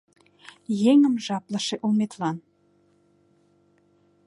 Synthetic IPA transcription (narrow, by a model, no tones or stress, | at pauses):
jeŋə̆mʒɑplə̆ʃeʔulmet̪lɑn